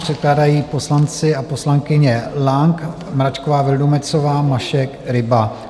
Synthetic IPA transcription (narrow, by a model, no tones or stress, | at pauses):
r̝̥ɛt̪̚klaːdajiːpo̞slant͡sɪapo̞slaŋkɪɲɛlaŋk | mɾat͡ʃkovaːvɪldomɛt͡sovaːmaʃɛkɾɪba